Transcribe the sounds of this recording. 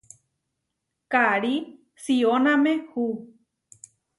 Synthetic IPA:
kaɾi | sionãmẽhu

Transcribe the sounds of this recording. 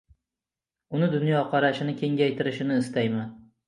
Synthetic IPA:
ʊnɪd̪ʊnjɒqʰɑɾaʃɪnɪkʲʰe̞ŋɡʲajt̪ʰɪɾɪʃɪnɪːst̪ajman

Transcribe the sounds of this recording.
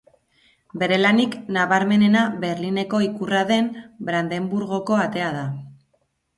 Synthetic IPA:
be̞ɾe̞laniknaβaɾme̞ne̞naβe̞ɾline̞ko̞ikuraðe̞mbɾand̪e̞mbuɾɣo̞ko̞at̪e̞að̞a

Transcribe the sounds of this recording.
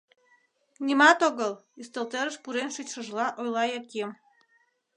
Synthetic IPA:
nʲimɑt̪oɣəlyst̪elt̪eɾəʃpuɾenʃyt͡ɕʃə̆ʒlɑʔojlɑjɑkʲem

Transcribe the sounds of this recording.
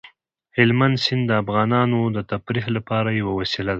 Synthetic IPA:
hɪlmand̪sɪnd̪d̪əafɣɑnɑnod̪ət̪apɾiɦlapɑɾajawawasilad̪a

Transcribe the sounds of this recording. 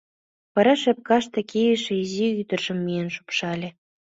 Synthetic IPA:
pɤ̆ɾɑʃĕp̚kɑʃt̪ĕkʰʲejeʃeiziyd̪ə̆rʒə̆mːijenʃu̥pʃɑlʲĕ

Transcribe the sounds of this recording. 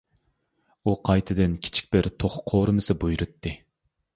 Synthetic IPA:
uqʰɑjt̪ʰɨd̪ɪnkʲʰi̥t͡ʃʰi̥k̚ʲbɪɾt̪ʰoχqʰoːɾɨmɨsɨbujɾut̪ʰːɨ

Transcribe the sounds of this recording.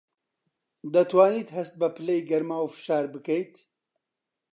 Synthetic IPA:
d̪ɐt̪ʰwaːniːt̪hɐst̪̚bɐpʰɨlejɡɐɾmaːwfɨ̥ʃaːɾbɨkɐjt̪

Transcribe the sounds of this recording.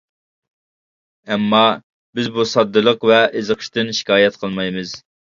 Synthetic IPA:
ɛmːɑ | bɪzbusɑd̪ːɨlˠəqvɛʔɪzəqʰə̥ʃt̪ɨnʃi̥kʲʰɑːjɛt̪qʰəlˠmɑjmɨz̥

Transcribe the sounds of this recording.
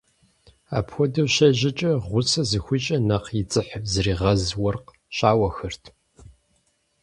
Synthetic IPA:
a̰ːpxʷɔdɐwʃɐʑɪt͡ʃʼɐʁʷʊsɐzɨxʷit͡ʃʼɐnɐqjɪt͡sʼɨħzɨriːʁɐzwɔrq | ɕaːwɐxɐrtʰ

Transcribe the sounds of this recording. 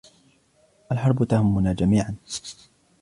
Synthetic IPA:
ʔalħɑɾˤbʊt̪ahʊmːʊnaːd͡ʒamiːʕan

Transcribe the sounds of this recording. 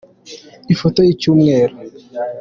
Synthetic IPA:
ifotoit͡ʃumŋɛːɾo

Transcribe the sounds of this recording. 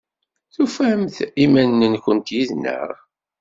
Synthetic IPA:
θufæmθimænːənçʷənt̪jiðnə̰ʁ

